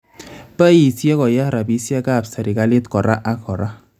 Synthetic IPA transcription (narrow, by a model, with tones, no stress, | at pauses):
pa˦ji˨sɛ˦kɔ˨ja˦ɾa˨bi˨˦si˦ɛ˦ka˦˨psa˨ɾi˨ka˦li˦t̪kɔ˨ɾa˦ʔa˦kʰɔ˨ɾa˦